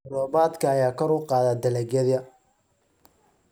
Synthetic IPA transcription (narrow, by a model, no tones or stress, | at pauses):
rɔːβaːd̪kʰɐːjaːkʰɔɾʊqɑːðaːd̪ɐlɛɡɛðɐ